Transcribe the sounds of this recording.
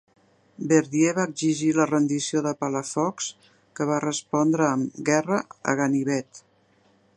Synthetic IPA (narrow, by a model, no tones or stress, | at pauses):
bəɾðjeβaəɡziʒilərənd̪isioðəpələfɔks | kəβarəspɔnd̪ɾəːmɡɛrəə̰ɣəniβɛt̪